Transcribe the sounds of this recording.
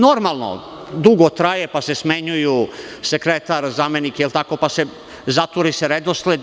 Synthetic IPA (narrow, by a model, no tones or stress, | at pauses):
noɾmalˠno̰ | d̪uɡot̪ɾajepase̞smeɲujusekɾet̪aɾzame̞nikeilt̪ako̞pase | zat̪ʋuɾiseɾed̪osled̪